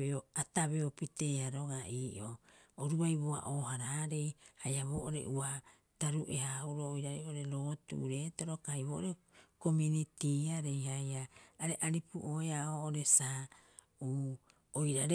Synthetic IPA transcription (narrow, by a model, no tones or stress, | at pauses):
eoataβeopite̞ːaɾoɡaiːʔooɾuajβoa̰ʔoːhaɾaːɾe̞jhajaβo̞ːʔoɾḛʔua | taɾuʔe̞ɦauɾoːjɾaɾeoɾe̞ɾo̞ːtṵʔɾe̞ːto̞ɾo̞kajβo̞ːʔoɾe̞ | ko̞munitiaɾejhajaːɾe̞ʔaɾipṵʔoeaoːoɾe̞sa | uː | ojɾaɾe